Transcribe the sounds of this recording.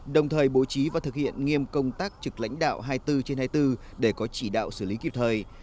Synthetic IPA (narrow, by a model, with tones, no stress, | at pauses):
ɗə˨˩wŋ͡mt̪ʰəː˨˩jɓo˨˩˦t͡ɕi˨˦vaː˨˩t̪ʰɨ˨˩k̚hḭ˧˨ənŋi˧əmkə˧wŋ͡mt̪aː˦˥k̚t͡ɕɨ˨˩k̚la̰˧˥jŋ̟ɗa̰ː˧˨wɦaː˧jt̪ɨ˧t͡ɕe˧nhaː˧jt̪ɨ˧ | ɗe˧˩kɔ˨˦t͡ɕi˧˩ɗa̰ː˧˨wsɨː˧˩li˨˦ki˨˩p̚t̪ʰəː˨˩j